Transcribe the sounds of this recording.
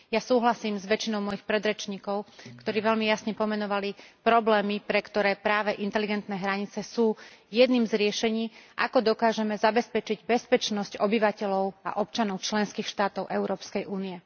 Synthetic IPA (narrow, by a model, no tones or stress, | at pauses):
jasuːɦlasiːmzʋɛt͡ʃinɔʊmɔjixpɾɛd̪ɾɛt͡ʃɲiːkɔʊkt̪ɔɾiːʋɛʎmijasɲɛpɔmɛnɔʋalipɾɔblɛːmipɾɛkt̪ɔɾɛːpɾaːʋɛʔint̪ɛliɡɛnt̪nɛːɦɾaɲit͡sɛsuːjɛd̪niːmzɾɪɛʃɛɲiːʔa̰kɔd̪ɔkaːʒɛmɛzabɛspɛt͡ʃiɟbɛspɛt͡ʃnɔscɔbiʋacɛʎɔʊa̰ʔɔp̚t͡ʃanɔʊt͡ʃlɛnskiːxʃt̪aːt̪ɔʊʔɛʊɾɔːpskɛjʔuːniɛ